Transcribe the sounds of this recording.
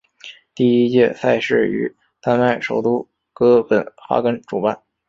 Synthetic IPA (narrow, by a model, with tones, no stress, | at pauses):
t̪i˥˩i˥t͡ɕjɛ̰˥˧sa˥˧ɪʂɻ̩˥˩y̰˨˧˥ | t̪a˥nma˥˩ɪʂo˨˩ʊt̪u˥ | kɤ˥pə˧˥nxa̰˥kə˥nʈ͡ʂu˨˩pa˥˩n